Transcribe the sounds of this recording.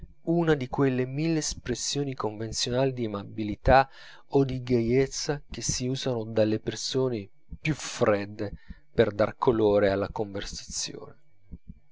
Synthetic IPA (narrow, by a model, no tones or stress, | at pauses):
unad̪ikwelːemilːeːspɾesːjoːnikoɱvent̪sjonaːlid̪iemabilit̪a | od̪iɡejet̪sːak̟esːiuːzanod̪alːepersoːne | pjufɾɛd̪ːe | perd̪a̰rkʰoloːɾealːakoɱversḁt̪sjo̰ːne